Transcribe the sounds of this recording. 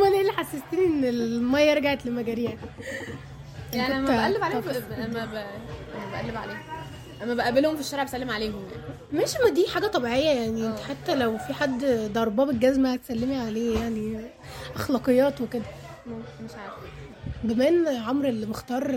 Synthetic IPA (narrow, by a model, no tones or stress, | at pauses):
mænʔelːiħasːest̪iːnʔenːelmæjːɑɾˤɑɡaʕet̪lemæɡæɾiːʕn | aʔæmælːebʕaleɑæmːæʔæmːæbæʔæ̰lːebʕa̰leːhom | ʔæmːæbæʔæbelhomfiʃːæɾeʕbesælːemʕaleːɦomja̰n | mæʃimæd̪iːħaːɡæt̪ˤɑbiʕejːæjaʕniʔenħat̪ːælæwfiħad̪ːd̪ɑɾˤbɑːbelɡæzmæhæt̪sælːemiʕaleːjaʕni | ʔæxlɑːqejːɑːt̪weked̪æmeʃʕaɾ | ɡæmæːnʕomɾelːibext̪ɑːɾˤ